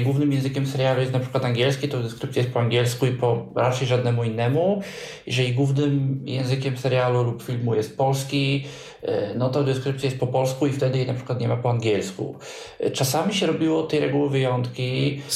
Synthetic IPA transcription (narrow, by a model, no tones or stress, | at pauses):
ɡwuvnɘmjɛ̃w̃zɘkʲɛmsɛɾjalujɛst̪napʂɘkwat̪aŋɡʲɛlskʲit̪ɔwd̪ɛskɾɘp̪̚sʲajɛst̪̚pɔaŋɡʲɛlskuipɔɾat͡ʂɛjʐad̪nɛmuinːɛmu | jɛ̰ʐɛlʲiɡwuvnɘmjɛ̰̃w̃zɘkʲɛmsɛɾjalulupfʲilmujɛst̪̚pɔlskʲi | nɔt̪ɔd̪ɛskɾɘp̚t̪sʲjajɛst̪̚pɔpɔlskuift̪ɛd̪ɘjɛnapʂɘ̥kwat̪ɲɛmapɔaŋɡʲɛlskṵ | t͡ʂasamʲiɕɛɾɔbʲiwɔt̪ɛjɾɛɡuwɘvɘjɔnt̪kʲi